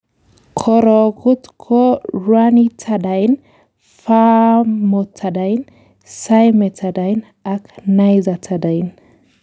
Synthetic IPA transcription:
kʰɔɾɔɡut̪kʰɔɾwanit͡sʰadajn | famɔt͡sʰːad̪ajn | sajmɛt͡sʰad̪ajn | akʰnajzat͡sʰad̪ajn

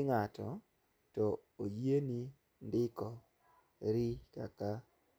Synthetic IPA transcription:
ŋatʰɔ̰ | tɔojeni | ndɪkɔ | ɾika̰ka

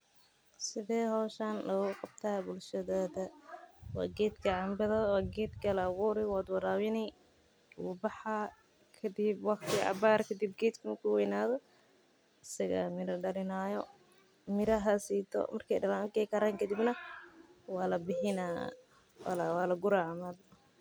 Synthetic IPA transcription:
sɪðɛːhɔːʃanlɐɣʊqɑb̚t̪ʰaːbʊlʃɐðɔːðɐwɑ̰ːɡɛːd̪kʰɐʕɑmbɐðɐwaːɡɛːd̪kʰɐlɐɣuːɾɪwad̪wɑɾaːwɪnɛ | wʊbɑħa | kʰɐd̪ɪbwɑqt̪ʰɪɑ̰baːrkʰɐd̪ib̚ɡɛːd̪kʰʊmʊkʰʊwɛjnaːðɔ | ɪsɐɣa̰mɪɾɐɖɐlɪnaːjɔ | mɪɾɐɦɐsiːt̪ʰɔ̰mɐrkʰɛ̰jɖɐlankɛkʰɐɾaːŋkʰɐd̪ibnɐ | wɑːlɐbɪhɪna | lwaːlɐɡʊɾaʕmɐd̪

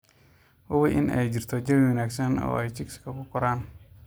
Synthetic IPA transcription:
wʊwɪʔɪ̰nɛ̰jd͡ʒirt̪ʰɔd͡ʒɐmɪwɐnaːksɐnɔ̰ɛjt͡ʃikskɐkʊkɔɾaːn

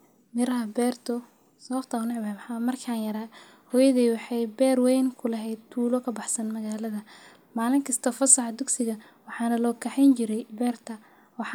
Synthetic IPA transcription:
mɪɾɐɦɐbɛːrt̪ʰɔ | sɐβɐbt̪ʰɐʊnɪʕbɐɛmħɑːmɐrkʰaːnjɐɾa | hɔjɐðiːwɑħɑjbɛːrwɛjnkʰʊlɐɦɛjd̪̚t̪ʰuːlɔkʰɐbɑħsɐnmɐɣaːlɐðɐ | maːlɪŋkʰɐst̪ʰɔfɐsɐħɑd̪ʊɡsɪɣɐ | wɑħɑːnɐlɔːkʰɐħɛnt͡ʃɪɾɛjbɛːrt̪ʰɐ | wɑħ

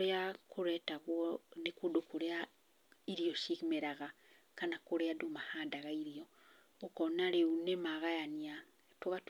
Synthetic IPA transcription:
ɾeakoɾɛːtaɣwɔnekuːdokoɾea | iɾiɔʃiɣimeɾaɣa | kanakoɾeadomahaːndaɣaiɾiɔ | okɔnaɾeunemaɣajania | twoɣat

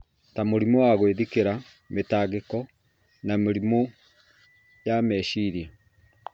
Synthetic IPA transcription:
tamoɾimowaɣweðikeɾa | metaːɣekɔ | nameɾimo | jamɛːʃiɾja

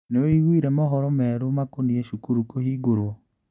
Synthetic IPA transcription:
neoiɣwiɾɛmɔɦɔɾɔmɛɾomakonieʃukuɾukohiːɡoɾwɔ

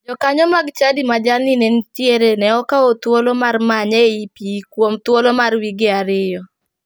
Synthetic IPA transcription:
d͡ʒɔkaɲɔmaɡt͡ʃadimad͡ʒalninent͡ʃjeɾenɛɔkaot̪wolomarmaɲeipikwomt̪wolomarwiɡɪaɾɪjɔ

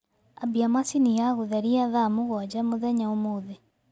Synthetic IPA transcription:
abiamasinijaɣoðɛɾiaðamoɣwad͡ʑamoðɛɲaomoðɛ

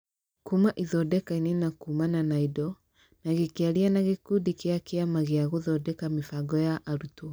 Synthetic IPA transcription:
kumaʔiðɔdɛkainenakumananaidɔ | naɣekeaɾianaɣekudikeakeamaɣeaɣoðɔdɛkamefaɡɔjaʔaɾutoa

